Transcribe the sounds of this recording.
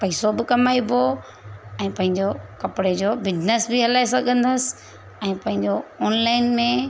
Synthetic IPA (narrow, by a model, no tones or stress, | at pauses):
pɐisobɪkɐmaːibʱo | ɛ̃ːpɐ̃ɦɪ̃ɲd͡ʑokɐpɽed͡ʑobɪd͡ʑnəsbɪɦɐlaːesɐɡʱə̃nd̪əsɪ̥̆ | ɛ̃ːpɐ̃ɦɪ̃ɲd͡ʑoɔːnlaːɪnmẽ